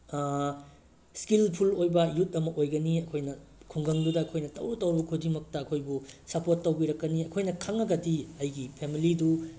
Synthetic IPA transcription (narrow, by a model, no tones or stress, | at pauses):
skilpʰulojbɐjut̚ɐmɐʔojɡɐniɐkʰojnɐkʰuŋɡɐŋdudɐːkʰojnɐtɐwɾutːɐwɾbɐkʰud͡ʒimɐk̚tɐɐkʰojbusɐpotːɐwɡiɾɐkːɐniɐkʰojnɐkʰɐŋːɐɡɐdiɐjɡipʰemilidu